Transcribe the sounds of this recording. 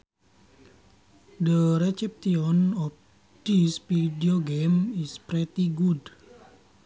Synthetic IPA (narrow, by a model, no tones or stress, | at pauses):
dəɾɛt͡ʃɛp̚t̪iɔnɔf̚ | disfidioɡemispɾɛt̪iɡud